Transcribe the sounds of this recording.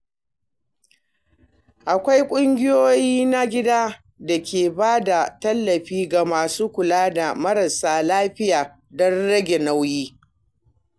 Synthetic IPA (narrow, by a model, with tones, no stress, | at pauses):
ʔa˨kʷa˦jkʷʼʊ˦ŋɡʲɪ˦joː˦jiː˦na˦ɡʲɪ˦daː˦ | da˨kʲeː˨baː˦da˨tɐ˦lːɐ˨ɸiː˦ɡa˨maː˨suː˦kʷʊ˨laː˦da˨mɐ˦ɾɐ˨saː˨laː˦ɸɪ˦jaː˨ | dɔ˦nɽɐ˦ɡʲe˨na˦wjiː˦